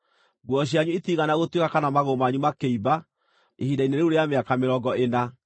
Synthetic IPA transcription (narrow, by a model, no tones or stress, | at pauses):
ɡwɔɕ̬iaɲuetiɣanaɣotwekakanamaɣomaːɲumakeiba | ehiːdaineɾeoɾeameakameɾɔɡɔena